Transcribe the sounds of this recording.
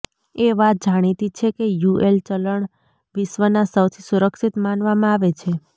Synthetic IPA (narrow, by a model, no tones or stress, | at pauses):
eʋat̪̚d͡ʒaɽ̃it̪it͡ʃʰekejuʔelt͡ʃələɳ | ʋɪʃʋənasəwt̪ʰisuɾəkʃit̪manʋamãaʋet͡ʃʰe